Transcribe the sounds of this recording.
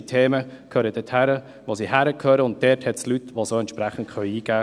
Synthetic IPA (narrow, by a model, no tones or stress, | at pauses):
t̪ʰeːməkʰøːɾəd̥ɛthæɾə | ʋosiɦæɾəkʰøːɾəʊnt̚dɛːthɛtslytʋosoːɛntt͡ʃʃpɾæχən̩tkʰœʏiːɡæː